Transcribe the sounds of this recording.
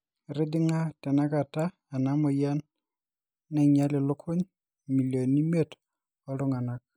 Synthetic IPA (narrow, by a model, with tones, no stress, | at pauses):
ɾɪ˦dɪ˦ŋa˦tɛ˨na˦ka˨taː˦˨na˦mɔ˨ja˦nː | ɛ˨ɲa˦lɪ˨lo˦kʰʊ˦ɲ | mi˨ljo˨ni˦me˨t | ɔ˦lʊ˦ŋa˨na˦k̚